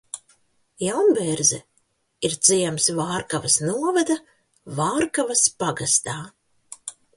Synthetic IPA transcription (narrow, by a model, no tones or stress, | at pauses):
jawnbɛɾzɛ̰ | iɾt̪z̥ijɛmsvaːɾkavasnuɔvad̪a | vaːɾkavɐspaɡast̪aː